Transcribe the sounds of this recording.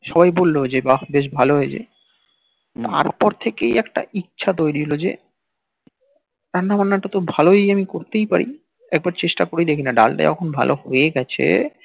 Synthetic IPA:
ʃɔβajbolːod͡ʑebabeʃ̬bʱaloɦoed͡ʑḛ | t̪a̰ɾpɔɾt̪ʰekejɛkʈa̰ʔitːɕʰat̪̬ojɾiɦolod͡ʑḛ | ɾanːamanːaʈat̪obʱaloejamikoɾt̪ejpa̰ɾḭ | ɛk̚baɾt͡ɕeʃʈakoɾejd̪ekʰinaɖa̰lʈa̰ɔ̰kʰonbʱa̰lʔo̰ɦoeɡɛt͡ɕʰḛ

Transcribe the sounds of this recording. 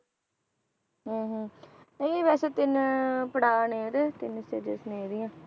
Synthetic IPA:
ɦẽːɦẽːnɛ̃iʋɛːseːt̪ɪnpəɽaːneːɾet̪ɪnsed͡ʒesneːɾɪjãː

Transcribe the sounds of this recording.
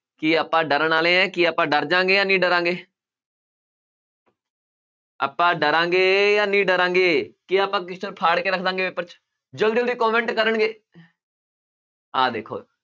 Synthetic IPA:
kiːaːpːãːɖəɾəɳaːlẽːɛ̃ːkiːaːpãːɖəɾd͡ʒãːŋɡeːjãːnĩːɖəɾãːŋɡeː | a̰ːpːãːɖəɾãːŋɡeːjaːnĩːɖəɾãːŋɡeːkiaːpãːk̬ɪst͡ʃəɾpʰaːɽkeːɾəkʰd̪ãːŋɡeːbeːpəɾt͡ʃ | d͡ʒəld̪əld̪iːkɔːmẽːɳʈkəɾəɳɡeː | ɦaːd̪ḛːkʰo̰ː

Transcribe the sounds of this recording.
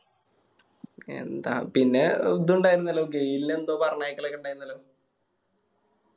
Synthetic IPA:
e̞̰nd̪a̰ːpinːe̞d̪uɳɖaːjiɾunːɐlːo̞ːɡe̞jilinend̪oːpɐrɐɲaːjikːɐɭɐkːuɳɖaːjiɾunːɐloː

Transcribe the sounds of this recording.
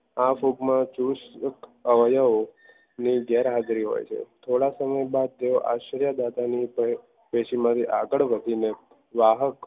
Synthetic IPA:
afubmãt͡ʃuʃkəʋəjəo | niɡɛɾɦad͡ʒ̪ɾiɦo̰jt͡ʃʰḛt̪ʰoɽasəməjbad̪̚t̪eoʔa̰ʃəɾjəd̪at̪ani | peʃimãt̪ʰiʔa̰ɡəɭʋəd̪ʱine | ʋaɦək

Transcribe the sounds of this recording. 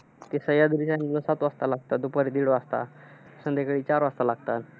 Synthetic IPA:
t̪esəjad̪ɾit͡ɕanləsat̪ʋast̪alaɡt̪ad̪upəɾid̪iɽoast̪a̰ | sə̃nd̪ekɭit͡ɕaɾʋast̪alaɡt̪at̪

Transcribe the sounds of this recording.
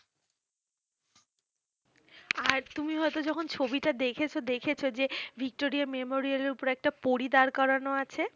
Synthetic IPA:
aɾt̪umiɦɔet̪od͡ʑɔkʰont͡ɕʰobiʈad̪ekʰet͡ɕʰod̪ekʰet͡ɕʰod͡ʑevʱik̚ʈoɾiamemoɾialeɾupoɾɛk̚ʈapoɾid̪aɾkɔɾanoat͡ɕʰe

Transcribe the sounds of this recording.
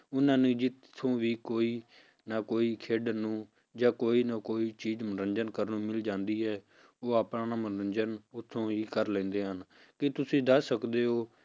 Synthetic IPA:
ʊnãːnũːd͡ʒɪt̪ʰːõːʋiːkoːiː | naːkoːiːkʰeːɖənũː | d͡ʒãːkoːiːnakoːiːt͡ʃiːzmənɾənd͡ʒənkəɾnũːmɪld͡ʒãːnd̪iːɦɛː | oːaːpnãːnamənɾənd͡ʒənʊt̪ʰːõːiːkəɾlɛ̃ːnd̪eːɦən | kɪt̪ʊsĩːd̪əsəkd̪eːɦoː

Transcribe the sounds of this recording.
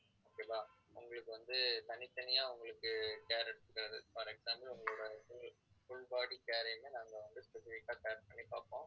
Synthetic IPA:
oːkeːpaː | ʊ̰ŋɡɐɭɯkːɯʋɐnd̪ɯt̪ɐnɪt̪ːɐnɪjaːʊŋɡɐɭɯkːɯkeːɾɛɽɯt̪ːɯkːɪɾɐðɯ̰pɐɾɛkɡsaːmbɐlʊŋɡɐɭoːɽɐfʊ | fʊɭbaːɽikeːɾɐmenaːŋɡɐʋɐnd̪ɯspɛsɪfɪkːaːkeːpɐɳːipa̰ːɾpõː

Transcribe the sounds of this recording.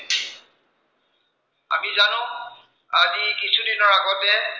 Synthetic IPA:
a̰mizanʊ̃ | azikisʰudinɔɹaɡɔtɛ

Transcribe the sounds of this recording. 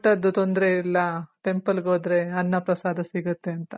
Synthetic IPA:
ʈːɐd̪ːut̪ond̪ɾeilːɐʈe̞mpɐlɡoːd̪ɾe̞ɐnːɐpɾɐsaːd̪ʱɐsiɡut̪ːe̞ɐnt̪ɐ

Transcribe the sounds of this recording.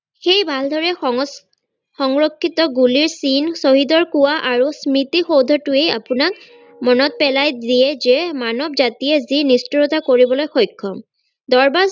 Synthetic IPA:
xejbʱald̪ʱɔɹɛ | xɔŋɹokʰːitɔɡuliɹsinsoɦidɔɹkuwaʔaɹusmitixowd̪ʱɔtʊeja̰pʊnak̚ | mɔnɔt̚pɛlajdijɛzɛmanɔbzatijɛzinistiɹɔtakoɹibɔlojxojkʰːɔm | d̪ɔɹbaz

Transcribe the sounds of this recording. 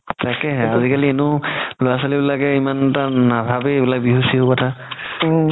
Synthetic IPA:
takɛɦɛazikalienʊloasalibilakɛimanɛtanabʱabeebilak̚biɦusiɦokɔtʰa

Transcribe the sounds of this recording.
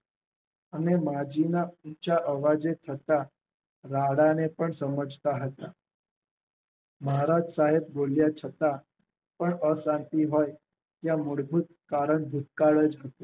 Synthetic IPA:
anemad͡ʑinaut͡ɕaʔəʋad͡ʑet̪ʰət̪a | ɾaɽanepəɳsəməd͡zʱt̪aɦət̪a | məɦaɾad͡ʒsaɦeb̚boljat͡ʃʰət̪a | pəɳəsãnt̪iɦoj | jamuɽbʱut̪̚kaɾəɳbʱut̪̚kaɭəd͡zɦət̪e

